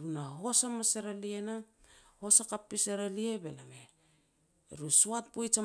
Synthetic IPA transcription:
ɾunaɦo̞samaseɾalienaho̞sakapːiseɾaliebelame | ɾusoat̚pojt͡ʃa

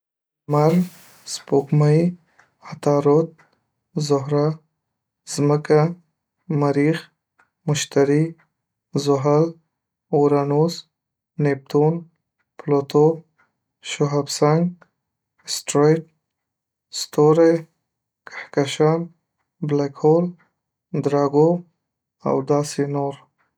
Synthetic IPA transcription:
maɾ | spokmaj | at̪ɑɾot̪̚ | zʊɦɾa | z̥məka | maɾix | mʊʃt̪aɾi | zʊɦal | oɾanos | nep̚t̪on | plot̪o | ʃoɦabsaŋɡ | sʈɾajʈ̚ | st̪oɾaj | kʰḁhkaʃɑm | blakʰol | d̪ɾɑɡo | a̰wd̪ɑsenoɾ

